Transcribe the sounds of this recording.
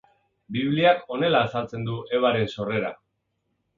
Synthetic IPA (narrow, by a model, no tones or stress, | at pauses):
biβliako̞ne̞laːsalt͡se̞nd̪uʔe̞β̞aɾe̞nso̞re̞ɾa